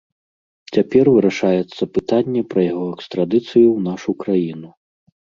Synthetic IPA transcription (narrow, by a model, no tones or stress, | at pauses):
t͡sʲapʲɛrvɨɾaʂajɛt̪sːɐpɨt̪anʲːɛpɾɐjaɣɔɛkst̪ɾad̪ɨt̪sɨjuwnaʂukɾajinu